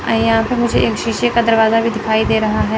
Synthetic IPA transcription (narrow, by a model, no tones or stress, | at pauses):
jɐɦãpɐmʊd͡ʒʱeʔeːkʃiːʃekad̪ɐɾʋaːzabʱid̪ɪkʰaːid̪eːɾɐɦaɦɛː